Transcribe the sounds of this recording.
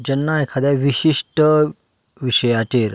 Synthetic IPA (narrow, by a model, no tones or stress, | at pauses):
d͡ʑənːaekʰad̪jaʋiɕiʂʈə | ʋiɕəjateɾ